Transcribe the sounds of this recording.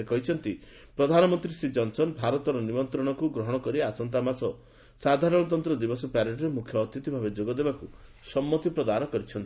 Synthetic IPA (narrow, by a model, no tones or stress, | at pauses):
ekɔɦit͡ʃʰɔnt̪i | pɾɔd̪ʱanɔmɔnt̪ɾisid͡ʒɔnsɔnbʱaɾɔt̪ɔɾɔnimɔnt̪ɾɔɽ̃ɔkuɡɾɔɦɔɽ̃ɔkɔɾiasɔnt̪amasɔ | sad̪ʱaɾɔɽɔt̪̬ɔnt̪ɾɔd̪ibɔsɔpaɾeʈɔɾemukʰjɔːt̪it̪ibʱabed͡ʒoɡɔd̪ebakusɔmːɔt̪ipɾɔd̪anɔkɔɾit͡ʃʰɔnt̪